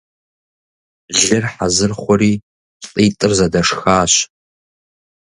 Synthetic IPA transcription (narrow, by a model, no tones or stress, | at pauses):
ʒɪrħazɨrχʷɔriː | ɬʼiːtʼɨrzɐdɐʂxaːɕ